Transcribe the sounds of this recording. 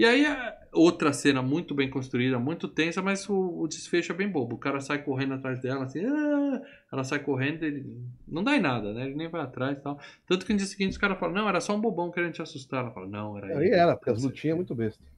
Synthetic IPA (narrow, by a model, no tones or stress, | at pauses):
ɪaiɐ | owt̪ɾɐsẽnɐmũj̃t̪ʊbẽj̃kõst̪ɾuid̪ɐmũj̃t̪ʊt̪ẽsɐmɐzʊːd͡ʒɪsfeʃʊɛbẽj̃bobʊːkaɾɐsajkoɦẽnd̪ʊat̪ɾajzd̪ɛlɐasĩa | ɛlɐsajkoɦẽnd̪ʊelɪnɐ̃w̃d̪ajnad̪ɐnɛelɪnẽj̃vajat̪ɾajst̪awt̪ɐ̃nt̪ʊ̥kɪnʊ̃d͡ʒiɐsɪɡĩnt͡ʃɪʊ̥kaɾɐfalɐnɐ̃w̃ɛɾɐsɔũbobɐ̃w̃kɪɛɾẽnʊt͡ʃɪasust̪aɛlɐfa̰lɐnɐ̰̃w̃ɛɾɐiɛɾɐpʊɾkeazlut͡ʃĩɐ̃mũj̃t̪ʊbest̪ɐ